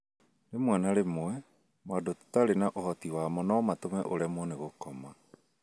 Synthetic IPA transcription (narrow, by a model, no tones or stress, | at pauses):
nemwanaɾemoɛ | madottaɾenaʔohɔtiwamɔnɔɔmatomɛʔoɾeamɔneɣokɔma